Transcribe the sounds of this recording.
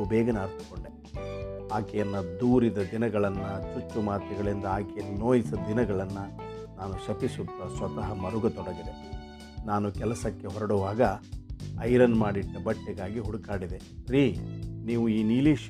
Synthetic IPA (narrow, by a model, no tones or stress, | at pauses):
ubɛːɡɐnaːɾt̪u̥koɳɖe | aːkɛjɐnːɐd̪uːɾid̪ɐd̪inɐɡɐɭɐnːɐt͡ʃut͡ʃːumaːt̪ɐɡɐɭind̪ɐaːkɛjɐnːinoːjisɐd̪inɐɡɐɭɐnːɐ | naːnuʃɐpisut̪ːɐsʋɐt̪ɐɦɐmɐɾuɡɐt̪ɔɽɐɡid̪e̞ | naːnukɛlɐsɐkːeɦɔɾɐɽuʋaːɡɐ | ɐjɾɐnːmaːɽiʈːɐbɐʈːɛɡaːɡiɦuɽukaːɽid̪eɾiniːʋuiːniːliːʃ